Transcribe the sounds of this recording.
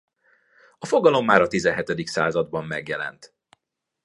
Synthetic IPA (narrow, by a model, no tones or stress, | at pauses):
ɒfo̞ɡɒlo̞mːaːɾɒt̪izɛnɦɛt̪ɛd̪iksa̰ːzɒd̪̚bɒmːɛɡjɛlɛ̰nt̪